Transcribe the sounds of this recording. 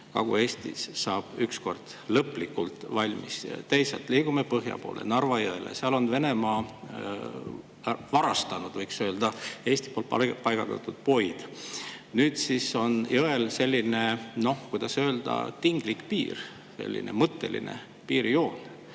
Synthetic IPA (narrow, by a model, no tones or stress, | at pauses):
kɑ̰ɡ̥ue̞ːst̪ḭssɑːb̥yksko̞rd̪̥ | lɤpˑlikːult̪vɑlʲmist̪ejsɑlt̪ːˑliːɡ̥umepɤɦjɑ̰po̞ːlʔḛnɑrvɑjɤelḛseɑlo̞nve̞ne̞mɑː | vɑɾɑst̪ɑnud̪̥vɤjksø̞ːld̪̥ɑeːsʲt̪i̥polɑpɑjɡ̥ɑt̪ɑ̰t̪ud̪̥̚po̞jd̪̥ | nyːd̪̥siso̞njoelse̞lʲːine̞no̞hkujd̪ɑsø̞ːld̪̥ɑ̰t̪iŋɡ̥likpḭːr | sḛlʲːḭnʔe̞̰mɤt̪ːe̞̰lḭnḛ | piːɾjo̞ːn